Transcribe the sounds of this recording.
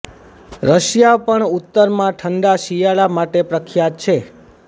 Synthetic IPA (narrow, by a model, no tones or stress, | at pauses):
ɾəʃjapəɳut̪ːəɾmãʈʰəɳɖaʃijaɭamaʈepɾəkʰjat̪̚t͡ʃʰe